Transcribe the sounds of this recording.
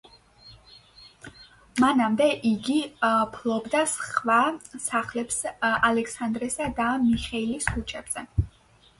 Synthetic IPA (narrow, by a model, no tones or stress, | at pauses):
manamd̪ɛʔiɡipʰlˠɔbd̪asχvasaχlɛpsalɛksand̪ɾɛsad̪amiχɛilisʰut͡ʃʼɛb̥z̥ɛ